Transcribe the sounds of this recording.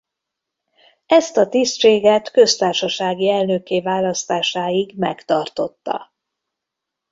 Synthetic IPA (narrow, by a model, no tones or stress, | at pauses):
ɛst̪ɒt̪ist̪ʃeːɡɛt̪kø̞st̪aːrʃɒʃaːɡiɛlnøkeːvaːlɒst̪aːʃaːjiɡmɛ̰kt̪ɒrt̪o̞t̪ːɒ̰